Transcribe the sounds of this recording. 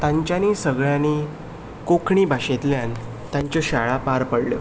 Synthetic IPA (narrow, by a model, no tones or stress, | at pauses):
t̪ãɲt͡ɕjaniːsəɡɭjãni | kokʰɳibʱaɕet̪ljãn | t̪jãɲt͡ɕɔɕaɭapaɾpəɽljo̰